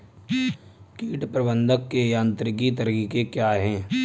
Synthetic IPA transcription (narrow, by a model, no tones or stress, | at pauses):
kiːʈpɾəbə̃nd̪əkːejãːnt̪ɾɪk̬it̪əɾiːkekjaːɦɛ̃ː